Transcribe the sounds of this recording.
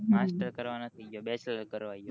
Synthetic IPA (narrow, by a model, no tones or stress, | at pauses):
masʈəɾkəɾʋanot̪ʰəobɛt͡ʃələkəɾʋajo